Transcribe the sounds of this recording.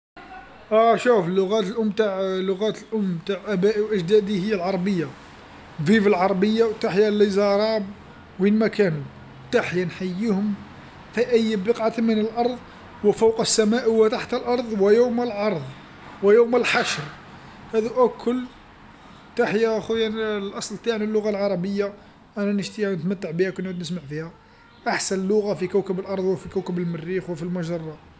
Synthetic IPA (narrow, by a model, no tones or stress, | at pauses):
ʔæʃufəlːʊɣæt̪əlʔʊmːbt̪aʕlʊɣæt̪əlʔʊmːt̪aʕʔæbæʔiwʔəʒd̪æd̪ihəjːælʕɑɾˤbəjːa | vivəlʕɑɾˤbəjːawt̪aħjælːizɑɾˤɑb | whinmækænu | t̪aħjanħajːihʊm | fiʔəjːbəqʕat̪mənəlʔɑɾˤðˤ | wəfɑwqəsːæmæʔwət̪aħt̪əlʔɑɾˤðˤwəjuwməlʕɑɾˤðˤ | wəjuwməlħaʃɾ | hæd̪uʔækːʊl | t̪aħjaxujanlʔɑsˤlt̪aʕnilːʊɣalʕɑɾˤɑbəjːa | ʔænænəʃt̪inət̪mæt̪ːaʕbihækʊnːʕud̪nəsmaʕfihæ | ʔaħsænəlːʊɣafikæwkəbəlʔɑɾˤðˤwəfikæwkəbəlmərːixwəfilmʊʒɑrˤːɑ